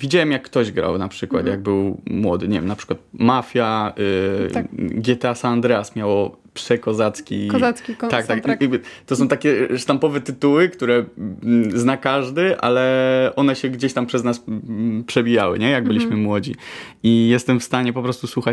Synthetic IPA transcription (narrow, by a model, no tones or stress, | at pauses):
vʲid͡ʑawɛmjakːt̪ɔʑɡɾa̰wnapʂɘkwa̰t̪jaɡ̚bɘwmwɔd̪ɘɲɛvʲɛ̰mnapʂɘ̥kwat̪̚mafʲjaɛ | ɡʲɛt̪ɛasaand̪ɾɛasmʲjawɔ | pʂɛkɔzat̪skʲiakʲit̪ak̚t̪ak̪t̪ɔsɔ̃w̃t̪akʲɛʂt̪ampɔvɛt̪ɘt̪uwɘkt̪uɾɛ | znakaʐd̪ɘʔa̰lɛʔɔnɛɕɛɡd͡ʑeɕt̪ampʂɛznaspʂɛbʲijawɘ̰ɲɛjaɡbɘlʲiɕmɘmwɔd͡ʑḭ | ijɛst̪ɛmfst̪aɲɛpɔpɾɔst̪uswuxat͡ɕ